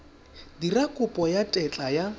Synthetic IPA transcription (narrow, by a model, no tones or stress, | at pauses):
dirakʼʊpʼɔjatʼɛt͡ɬʼaja